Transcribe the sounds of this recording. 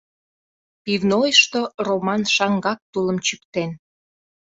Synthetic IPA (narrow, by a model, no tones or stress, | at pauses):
pivnojʃt̪oromɑnʃɑŋɡɑk̚t̪uləmt͡ɕykt̪en